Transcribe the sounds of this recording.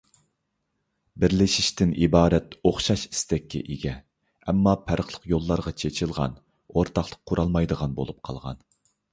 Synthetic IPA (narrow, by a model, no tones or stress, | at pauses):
bɪɾlɪʃiʃt̪ɪnʔibɑːɾɛt̪oχʃɑʃi̥st̪ɛkʲːɛ̰ʔiɡʲɛ | ɛmːɑpʰæɾəχlˠəqjolˠːɑɾʁɑt͡ʃʰet͡ʃʰilˠʁɑ̰n | oɾt̪ʰɑχlˠəqʰːuɾʔɑlˠmɑjd̪əʁɑnbo̰lˠup̚qʰɑ̰lˠʁɑ̰n